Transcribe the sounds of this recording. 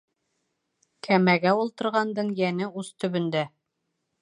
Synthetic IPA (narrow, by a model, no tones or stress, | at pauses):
kʰæmæɡæulˠt̪ɤ̆ɾʁɑnd̪ɤɴjænɘust̪ɵ̆βɵ̆nd̪æ